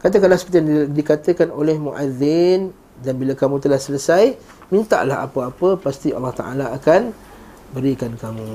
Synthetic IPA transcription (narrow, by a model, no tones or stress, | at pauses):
kat̪əkalasə̥pət̪ijaŋdikat̪əkanolɛhmuʔaðɪn | danbilakamũt̪əlahsələsaj | mint̪a̰ʔlaɦa̰pəapəpast̪iɑ̰lːɑht̪a̰ʔalaːkan | bəɾikankamũ